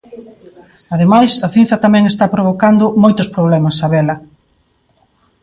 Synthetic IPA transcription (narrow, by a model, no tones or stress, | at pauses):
aðemajsɐθin̟θɐt̪amɛ̃ŋest̪apɾoβokand̪ʊmojt̪ʊspɾoβ̞lɛmɐsaβɛlɐ